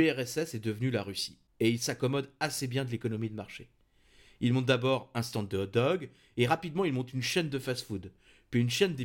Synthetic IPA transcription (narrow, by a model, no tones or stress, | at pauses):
eɛʁɛsɛsɛd̪əvnylaʁysi̥ | eilsakɔmɔd̪asebjɛ̃d̪əlekɔnɔmid̪əmaʁʃe | ilmɔ̃t̪̚d̪abɔʁɛ̃st̪ɑ̃d̪əɔd̪ɔɡ | eʁapid̪mɑ̃ilmɔ̃t̪ynʃɛnd̪əfasfud̪ | pɥiynʃɛnd̪e